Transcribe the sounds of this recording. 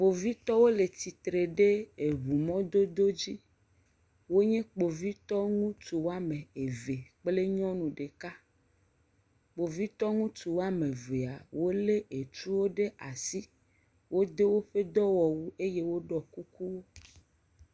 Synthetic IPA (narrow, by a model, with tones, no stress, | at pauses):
k͡po˨vi˦t̪ɔ˦wo˦le˨t̪i˨t̪ɾe˨ɖe˦e˨βu˨mɔ̃˦d̪o˦d̪o˦d͡ʑi˦ | wo˦ɲẽ˦k͡po˨vi˦t̪ɔ˦ŋũ˦t̪u˨wo˦a˦mẽ˨e˨ve˨k͡ple˦ɲɔ̃˦nũ˨ɖe˨ka˦ | k͡po˨vi˦t̪ɔ˦ŋũ˦t̪u˨wo˦a˦mẽ˨ve˨a˨wo˦le˦e˨t͡ʃu˦wo˦ɖe˦ʔa˨si˦ | wo˦d̪e˦wo˦ɸe˦d̪ɔ˦wɔ˨wu˦e˦je˦wo˦ɖɔ˨ku˦ku˦wo˦